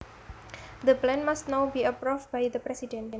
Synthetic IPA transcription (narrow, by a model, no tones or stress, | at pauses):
d̪əplɛ̃nmastnawbiəpɾuf̚bajd̪əpɾɛsidɛ̃nɛ̃